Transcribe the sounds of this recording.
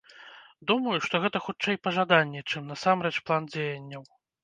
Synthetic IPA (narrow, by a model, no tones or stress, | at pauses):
d̪umɐjuʂt̪ɔɣɛt̪ɐxut͡ʂɛjpɐʐad̪anʲːɛt͡ʂɨmnasamɾɛt͡ʂplˠand͡zʲejɐnʲːɐw